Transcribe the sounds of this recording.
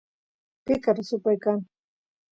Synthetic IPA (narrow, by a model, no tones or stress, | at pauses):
kɪkaɾasʊpajkaŋ